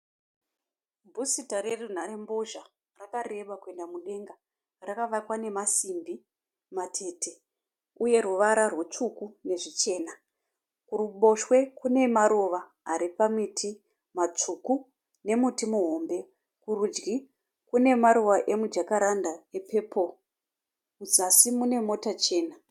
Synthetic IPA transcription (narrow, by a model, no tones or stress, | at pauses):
bʱusitaɾe̞run̤aɾembo̞ʒa | rakare̞ɓakue̞ndamuɗe̞ŋɡa | rakaʋakwane̞masimbi | matʰe̞ːtʰe̞ | uje̞ruʋaɾarwet͡ʂukune̞ʐit͡ʃe̞ːna | kuruɓo̞ʃwe̞kune̞maɾoʋaː | ɾipamitʰi | mat͡ʂuku | ne̞mutimuɦo̞mbe̞ | kurud͡ʒɡi | kune̞maɾoʋaʔe̞mud͡ʒakaɾandaepʰe̞ːpʰo | mud͡zasimune̞mo̞tat͡ʃe̞ːna